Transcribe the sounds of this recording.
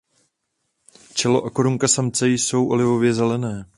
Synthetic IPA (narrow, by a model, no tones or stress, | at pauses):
t͡ʃɛlo̞ʔakoɾuŋkasamt͡sɛjso̞wʔo̞lɪvo̞vjɛzɛlɛnɛː